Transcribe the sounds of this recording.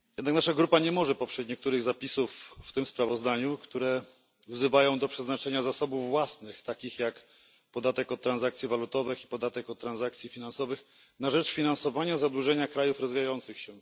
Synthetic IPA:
jɛd̪naknaʂaɡɾupaɲɛmɔʐɛpɔpʂɛt͡ɕɲɛk̚t̪uɾɘɣzapʲisufːt̪ɘmspɾavɔzd̪aɲukt̪uɾɛ | vzɘvajɔ̃w̃d̪ɔpʂɛznat͡ʂɛɲazasɔbuvːwasnɘxt̪akʲixjak | pɔd̪at̪ɛkɔt̪ːɾanzakt̪sʲjivalut̪ɔvɘxipɔd̪at̪ɛkɔt̪t̪ːɾanzakt̪sʲifʲinansɔvɘx | naʐɛt͡ʂfʲinansɔvaɲazad̪wuʐɛɲakɾajufɾɔzvʲijajɔnt̪sɘxɕɛ

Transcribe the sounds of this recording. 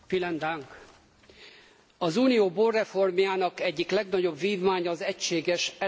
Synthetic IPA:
filɛnd̪aŋk | ɒzuːnijoːboːrːɛfo̞rmjaːnɒkɛɟːiklɛɡnɒɟo̞bʋiːvmaːɲɒːzɛcʃeːɡɛʃɛ

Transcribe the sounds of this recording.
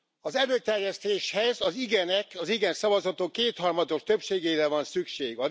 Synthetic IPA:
ɒzɛløːt̪ɛrjɛst̪eːʃhɛzɒziɡɛnɛkɒziɡɛnsɒvɒzɒt̪okːeːt̪hɒrmɒd̪o̞ʃt̪ø̞pʃeːɡeːjɾɛvɒnsykʃeːɡɒ

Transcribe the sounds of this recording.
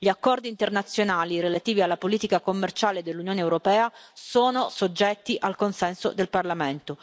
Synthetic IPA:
ʎiakːɔrd̪iːnt̪ernat̪sːjonaːlirelat̪iːvialːapoliːt̪ikakomːert͡ʃaːled̪elːunjoːneːwɾopɛːasoːnosod͡ʒːɛt̪ːiʔalkonsɛnso̰d̪elparlament̪o

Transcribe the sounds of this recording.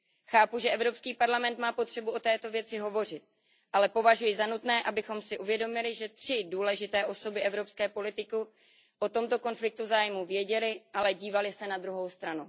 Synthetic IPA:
xaːpuʒɛʔɛvɾo̞pskiːpaɾlamɛnt̪maːpo̞t̪r̥ɛbuʔo̞t̪ɛːt̪o̞vjɛt͡sɪɦo̞vo̞r̝ɪt̪̚ | ʔalɛpo̞vaʒujɪzanut̪nɛːʔabɪxo̞msɪʔuvjɛdo̞mɪlɪʒɛt̪r̥ɪduːlɛʒɪt̪ɛːʔo̞so̞bɪʔɛvɾo̞pskɛːpo̞lɪt̪ɪku | ʔo̞t̪o̞mt̪o̞ko̞nflɪk̚t̪uzaːjmuvjɛɟɛlɪʔalɛɟiːvalɪsɛnad̪ɾuɦo̞wst̪ɾanu

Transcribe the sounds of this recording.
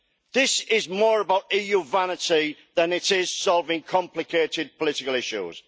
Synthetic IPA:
ðɪsɪzmɔːɹəbaʊtiːjuːvanɪtiðə̃nɪtɪz̥sɒlˠvɪ̃ŋkʰɒ̃mplɪkʰeɪtɪd̚pʰəlɪtɪkəlɪʃṵz̥

